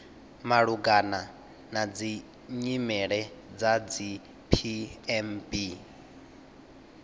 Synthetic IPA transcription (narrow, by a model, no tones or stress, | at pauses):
maɺuɡana | nad͡zi | ɲimɛɺɛd͡zad͡zi | pʰiɛmbi